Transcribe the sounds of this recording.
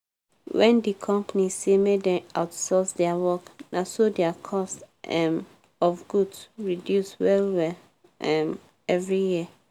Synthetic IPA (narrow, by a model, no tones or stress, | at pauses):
wɛ̃ndikʰɔ̃mpanisemedɛ̃aʊtsɔsdɛawɔknasodɛakʰɔst | ɛm | ɔfɡudɹidjuswɛlwɛ | ɛm | ɛvɹijiə